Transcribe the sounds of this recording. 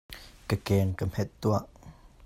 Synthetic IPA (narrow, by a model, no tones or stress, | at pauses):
kəkɛːnkəm̥hɛt̪̚ːuaʔ